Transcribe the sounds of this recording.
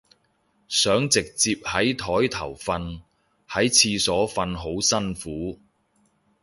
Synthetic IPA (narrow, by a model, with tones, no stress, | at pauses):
sœː˨˥ŋt͡sɪ˨k̚t͡siː˧p̚hɐ˨˥jt̪ʰɔː˨˥jt̪ʰɐ̰˨˩wfɐ˧n | hɐ˨˥jt͡sʰiː˧sɔː˨˥fɐ˧nɦo˨˥wsɐ˥nfuː˨˥